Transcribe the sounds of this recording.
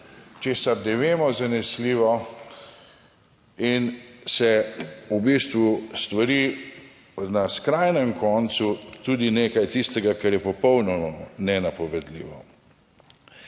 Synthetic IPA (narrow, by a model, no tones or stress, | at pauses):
t͡ʃeːsaɾd̪ɛʋeːmɔzanɛsliːʋɔ | insɛubist̪ʋust̪ʋaɾiː | naskɾajnɛmkʰɔːnt̪sut̪uːd̪ineːkajt̪ist̪ɛɡakɛɾjɛpɔpɔwnɔmɔnɛnapɔʋɛd̪lḭːʋɔ